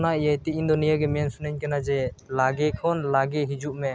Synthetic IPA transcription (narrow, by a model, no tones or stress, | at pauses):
naijajt̪iind̪ɔnijaɡɛmɛnsunəɲkanad͡ʒɛlaɡɛkʰɔnlaɡɛɦid͡ʒuʔmɛ